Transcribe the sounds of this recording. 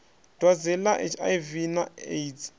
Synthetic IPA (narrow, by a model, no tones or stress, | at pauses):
d̥wad͡zɛlaʔḛt͡ʃʰa̰jvinaeit